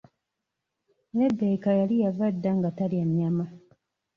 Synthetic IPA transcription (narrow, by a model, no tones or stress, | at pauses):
nebːekajalijavadːaŋɡataliamama